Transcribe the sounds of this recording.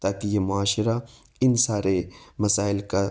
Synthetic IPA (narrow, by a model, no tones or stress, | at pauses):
t̪aːkijemʊaːʃɪɾa | ɪnsaːɾemɐsaːɪlka